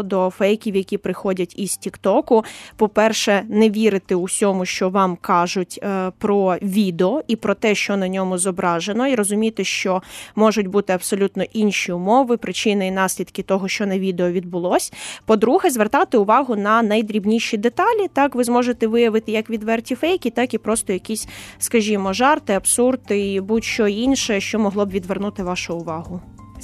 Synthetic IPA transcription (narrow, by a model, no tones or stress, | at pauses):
d̪ɔfɛjkʲiwjɐkʲipɾɪxɔdʲɐtʲiz̥tʲikt̪ɔkʊpɔpɛrʃɛnɛʋʲiɾɪt̪ɪʊsʲɔmʊʃt͡ʃɔʋɑmkɑʒʊtʲpɾɔʋʲid̪eɔipɾɔt̪ɛʃt͡ʃɔnɐnʲɔmʊzɔbɾɑʒenɔiɾɔzʊmʲit̪ɪʃt͡ʃɔmɔʒʊtʲbut̪ɪɐbsɔlʲut̪nɔʔinʃʲiʊmɔʋɪpɾɪt͡ʃɪnɐjinɑsʲlʲid̪kʲɪt̪ɔɦɔʃt͡ʃɔnɐʋʲid̪eɔʋʲid̪̚bʊlˠɔsʲpɔd̪ɾuɦɛzʋert̪ɑt̪ɪʊʋɑɦʊnɐnɐjd̪ɾʲibnʲiʃid̪et̪ɑlʲit̪ɑkʋɪzmɔʒet̪ɛʋɪjɐʋɪt̪ɪjɐkʋʲid̪ʋɛrtʲifɛjkʲit̪ɑkipɾɔst̪ɔjɐkʲisʲskɐʒʲimɔʒɑrt̪ɪɐbsurt̪ɪibutʲʃt͡ʃɔinʃɛʃt͡ʃɔmɔɦlˠɔbʋʲid̪ʋernut̪ɪʋɑʃʊʊʋɑɦʊ